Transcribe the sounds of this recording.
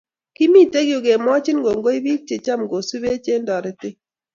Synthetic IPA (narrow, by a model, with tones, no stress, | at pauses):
ki˦mi˦˨te˦ɡjo˨ɡe˨mɔ˦t͡ʃɪ˦nɡo˨ŋɡo˦i˦wi˦k̚t͡ʃe˨t͡ʃa˦mɡo˨su˦be˦t͡ʃe˦ndɔ˨ɾɪ˨tɪ˦